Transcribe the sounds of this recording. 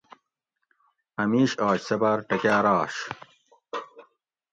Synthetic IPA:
ɐmiːɕɑːt͡ɕsɐbɐɾʈɐkaːɾɑːɕ

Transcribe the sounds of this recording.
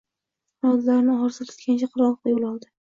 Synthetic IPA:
ɾɒd̪laɾnɪɒɾsat̪ʰʊ̥t̪kʲant͡ʃʰaqʰʊɾɒnq̪ˠjolˠɒlˠd̪ɪ

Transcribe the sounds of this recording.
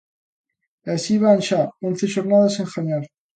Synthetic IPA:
asiβaːnʃaonθeʃoɾnaðaseŋxaɲaɾ

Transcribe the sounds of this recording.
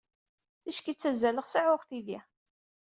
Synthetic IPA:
θiʃkit͡sːæzːæləʁsəʕʊʁθidi

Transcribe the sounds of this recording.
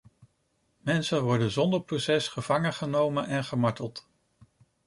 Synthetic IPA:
mɛnsənʋɔɹdənzɔndəɹprowsɛsχəv̥ɑŋəχənowmənʔɛnχəmɑɹtəlˠt

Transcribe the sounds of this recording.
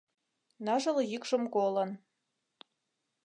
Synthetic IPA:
nɑʒɤ̆ljikʃɤ̆mkolɤ̆n

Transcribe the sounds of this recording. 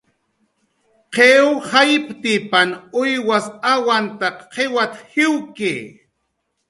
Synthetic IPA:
qʰewhajpt̪ɪpanʊjwasawant̪aqqʰewat̪hɪwkḛː

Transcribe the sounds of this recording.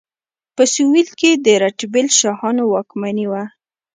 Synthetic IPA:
pəsuwilked̪əɾaʈbɪlʃɑhɑnowɑkmaniwa

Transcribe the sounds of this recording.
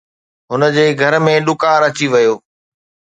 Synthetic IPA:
ɦʊnəd͡ʑeːɡʱɐɾmẽɗʊkaːɾɐt͡ɕiʋɐjoː

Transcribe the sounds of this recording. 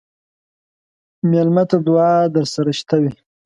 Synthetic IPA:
mjalmat̪ad̪uwɑːd̪əɾsaɾaʃt̪awi

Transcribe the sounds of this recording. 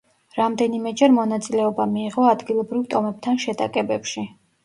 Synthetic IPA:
ɾamd̪ɛnimɛd͡ʒɛɾmɔnat̪sʼilɛɔbamiːʁɔad̪ɡilˠɔbɾivt̪ʼɔmɛb̚t̪ʰanʃɛt̪ʼa̰kʼɛbɛpʃi

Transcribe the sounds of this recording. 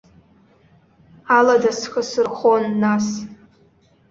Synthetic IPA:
aladasχəsɨrχonːas

